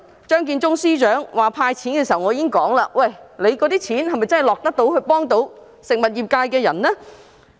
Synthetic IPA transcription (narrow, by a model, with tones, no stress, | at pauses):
t͡ʃœː˥ŋk̬iː˧nt͡ʃʊ˥ŋsiː˥t͡ʃœː˨˥ŋwaː˨˩pʰaː˧jt͡sʰiː˨˥nkɛ˧si˨˩ɐ˩wŋɔː˨˧˥iː˧˥ɪ˥ŋkɔː˨˥ŋlaː˧wɐ˨˩jle˨˧jkɔː˨˥t̪iː˥t͡sʰiː˨˥nhɐ˨˩jmɐ˨jt͡sɐ˥nɦjlɔː˨k̚t̪ɐ˥k̚t̪o˨˥whɵ˧ɥpɔː˥ŋt̪o˨˥w | sɪ˨k̚mɐ˨˩t̚jiː˨˩p̚kaː˧jkɛː˧jɐ˨˩nnɛː˥